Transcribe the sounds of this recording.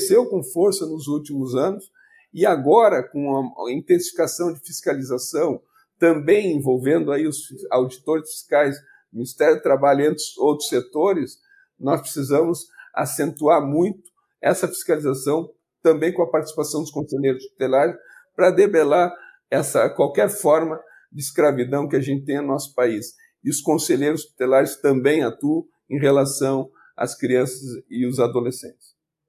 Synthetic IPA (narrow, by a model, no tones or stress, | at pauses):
sewkõfoɾsɐnʊzut͡ʃimʊzɐ̃nʊs | ɪaɡɔɾɐkõɐĩnt̪ẽsi̥fi̥kasɐ̃w̃d͡ʒɪfiskalizasɐ̃w̃ | t̪ɐ̃mbẽj̃ẽvowvẽnd̪ʊaiʊsfisawd͡ʒit̪oɾɪsfi̥skajs | minist̪ɛɾʊt̪ɾabaʎʊẽnt̪ɪowt̪ɾʊset̪oɾɪs | nɔspɾesizɐ̃mʊza̰sẽnt̪uaɾmũj̃t̪ʊ̥ | ɛsɐfi̥skalizasɐ̃w̃ | t̪ɐ̃mbẽj̃kõɐpaɾt͡ʃ̪isi̥pasɐ̃w̃d̪ʊs̬kõseʎejɾʊspi̥t̪elaɾɪs | pɾɐd̪ebelaɾ | ɛsɐkwawkɛɾfɔɾmɐ | d͡ʒ̪ɪiskɾavid̪ɐ̃w̃kɪaʒẽnt͡ʃ̪ɪt̪ẽj̃ʊnɔsʊ̥pais | ɪʊskõseʎejɾʊspi̥t̪elaɾɪst̪ɐ̃mbẽj̃at̪uɐ̃ | ẽj̃ɦelasɐ̃w̃ | ɐ̰skɾiɐ̃sɐzɪʊzad̪olesḛ̃nt͡ʃ̪ɪ̥s